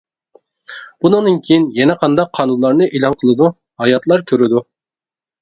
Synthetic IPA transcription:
b̥unɨŋd̪ɨnkʲʰijinjɛnɛqʰɑnd̪ɑqʰːɑnunlˠɑɾnɨʔelˠɑnqʰəlˠɨd̪u | hɑjɑt̪lˠɑɾkʲʰøɾɪd̪u

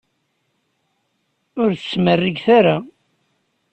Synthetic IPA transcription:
ʊɾθəsmərːiɡθaɾa

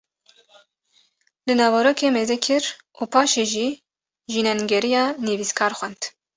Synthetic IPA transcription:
lɨnɑːvɑɾoːkʰeːmeːzɛkʰɪɾʔuːpʰɑːʃeːʒiː | ʒiːnɛnɡɛɾijɑːneviːskʰɑːɾxʷɛnd̪̥

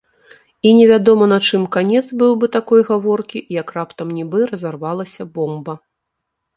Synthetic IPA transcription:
inʲɛvʲad̪ɔmɐnɐt͡ʂɨmkanʲɛd̪zbɨwbɨt̪akɔjɣavɔrkʲijɐkrapt̪ɐmnʲibɨɾɐzarvalˠɐsʲɐbɔmbɐ

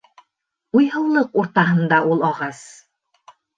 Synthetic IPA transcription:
ujɦɤ̆wlˠɤquɾt̪ɑɦɤ̆nd̪ɑʔulˠɒʁɑs

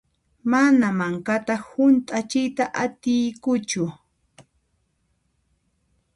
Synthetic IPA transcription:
manamaŋkat̪ahʊnt̪ʼat͡ʃɪjt̪aʔat̪ɪjkʊt͡ʃʊ

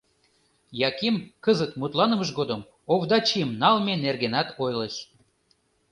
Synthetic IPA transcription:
jɑkimkəzət̪mut̪lɑnə̆məʃ̬ɡod̪əm | oβd̪ɑt͡ɕimnɑlmenerɣenɑt̪ʰojləʃ

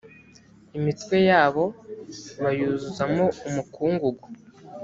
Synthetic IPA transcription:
imitwe̞jaːβo̞ | βajuːzuzamoumukuːŋɡuɡu

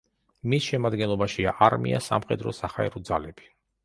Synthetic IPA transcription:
misʃɛmad̪ɡɛnlˠɔbaʃiaʔaɾmḭʔa̰sa̰mχɛd̪ɾɔ̰saχaɛ̰ɾɔd̪zalɛb̥i̥

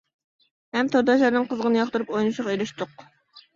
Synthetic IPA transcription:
hɛmt̪ʰoɾd̪ɑʃɑɾnɨŋqəzʁənɨjɑχt̪uɾupojnɨʃʊʁeɾɪʃt̪ʊq

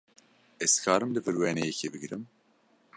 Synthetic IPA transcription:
ɛzkʰɑːɾɨmd̪ɨvɨɾwɛnejɛkʰebɨɡɾɨm

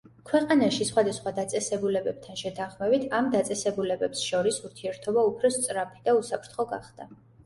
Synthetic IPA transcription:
kʰwɛqʼanaʃisχwad̪asχwad̪at̪sʼɛsɛbulɛbɛb̥̚t̪ʰanʃɛt̪ʰaχmɛbit̪ʰamd̪at̪sʼɛsɛbulɛbɛpsʃɔɾisuɾt̪ʰiɛɾt̪ʰɔbaupʰɾɔst̪sʼɾapʰid̪ausapʰɾt̪ʰχɔɡa̰χd̪̥a

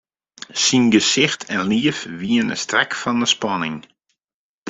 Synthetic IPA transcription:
sinɡəsɪxtʰɛnliəfʋiənə̰strɛkfɔndəspɑnɪŋ

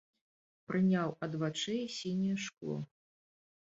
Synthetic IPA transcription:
pɾɨnʲawɐd̪vat͡ʂɨsʲinʲijɛʂklˠɔ̰

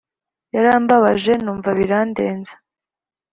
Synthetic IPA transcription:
jaɾaːmbaβaʒe̞nuːɱvaβiɾaːnde̞ːnzḁ

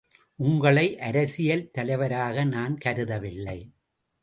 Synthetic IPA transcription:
ʔʊŋɡɐɭɐɪʔɐɾɐsɪjɐlt̪ɐlɐɪʋɐɾaːɣɐnaːnkɐɾɯðɐʋɪlːɐɪ

